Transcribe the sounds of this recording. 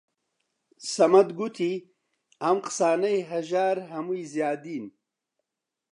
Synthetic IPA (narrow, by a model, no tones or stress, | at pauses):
sɐmad̪ɡut̪ʰi | amqsaːnajɦaʒaːɾɦamujzjaːd̪iːn